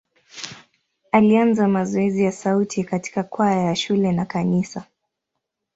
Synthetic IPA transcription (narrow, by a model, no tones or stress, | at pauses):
alianzamazɔɛzijasautʰikati̥kakwajaʃulɛnakanisa